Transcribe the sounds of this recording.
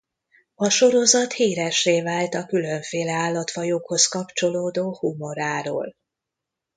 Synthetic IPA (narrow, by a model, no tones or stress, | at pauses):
ɒʃo̞ɾo̞zɒt̪hiːɾɛʃːeːvaːlt̪ɒkyløɱfeːlɛaːlːɒt̪ʋɒjoːkho̞skɒpt͡ʃo̞loːd̪oːhumo̞ɾaːɾo̰ːl